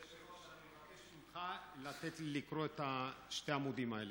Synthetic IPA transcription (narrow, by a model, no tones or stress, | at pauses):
aa | at̪e | ilχalat̪et̪likɾoet̪aʃt̪eamud̪imaele